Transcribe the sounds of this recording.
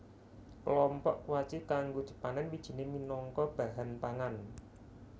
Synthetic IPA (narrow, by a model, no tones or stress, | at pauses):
kəlɔmpɔʔwat͡ʃikaŋɡod̥ʒ̥ə̤̥pananwid̥ʒ̥i̤neminɔŋkɔb̥a̤ɦanpaŋan